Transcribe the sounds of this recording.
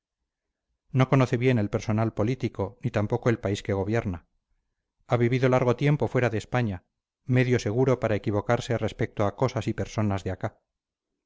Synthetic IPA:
no̞ko̞noθe̞βje̞ne̞lpe̞ɾso̞nalpo̞lit̪iko̞nit̪ampo̞ko̞e̞lpaiske̞ɣ̞o̞βje̞ɾna | aβiβiðo̞laɾɣ̞o̞t̪je̞mpo̞fwe̞ɾaðeːspaɲa | me̞ðjo̞se̞ɣ̞uɾo̞paɾaekiβ̞o̞kaɾse̞re̞spek̚t̪oako̞sasipe̞ɾso̞nazðeaka

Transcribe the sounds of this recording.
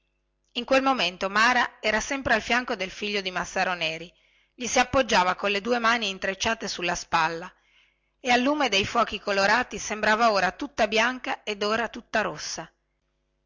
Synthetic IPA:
iŋkwelmoment̪omaːɾaɛːɾasɛmpɾealfjaŋkod̪elfiʎːod̪imasːaːɾonɛːɾi | ʎisiapːod͡ʒːaːvakonled̪uːemaːniːnt̪ɾet͡ʃːaːt̪esulːaspalːa | ealːuːmed̪ejfwɔːkikoloɾaːt̪isembɾaːvaoːɾat̪ut̪ːabjaŋkaed̪oːɾat̪ut̪ːaɾosːa

